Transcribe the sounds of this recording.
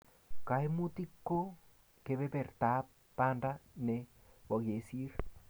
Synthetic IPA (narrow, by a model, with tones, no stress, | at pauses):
ka˨imu˦ti˦kːo˦ | ke˨bɛ˦pɛ˨rta˦p̚ | pa˦nda˦nɛwa˨ke˨si˦ɾ